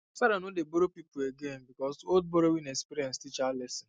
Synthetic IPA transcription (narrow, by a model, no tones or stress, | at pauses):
saɾanodeboɾopipueɡenbikɔzold̚boɾowinekspiɾiɛ̃nstit͡ʃalɛsɪ